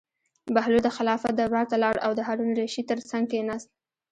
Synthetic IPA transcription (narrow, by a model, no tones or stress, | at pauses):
bahlud̪əxɪlɑfad̪əwaɾt̪alɑɽa̰wd̪əɦaɾunɾeʃit̪əɾt͡saŋɡkenɑst̪